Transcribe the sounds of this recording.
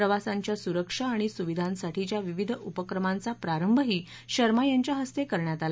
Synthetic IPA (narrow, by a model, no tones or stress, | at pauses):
ɾəʋasaɲt͡ɕjasuɾəkʂaːɽ̃isuʋid̪ʱãnsaʈʰit͡ɕjaʋiʋid̪ʱəʔupəkɾəmant͡sapɾaɾəmbʱəɦiː | ɕəɾmajaɲt͡ɕjaɦəst̪ekəɾɳjat̪al